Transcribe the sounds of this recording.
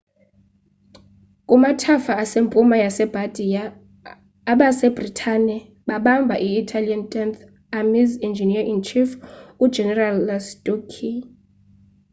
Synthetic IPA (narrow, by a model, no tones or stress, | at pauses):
kʼumatʰafaːsempʼumajasɛb̥ʱad̥ʱijaː | ɓasɛb̥ritʼʰanɛ | ɓaɓambʱaʔiːtʰʼaliantʼɛnt̪ʰ | amizɛnd͡ʒʱiniaiŋt͡ʃʰifu̥d͡ʒɛnɛralːastʼokʰi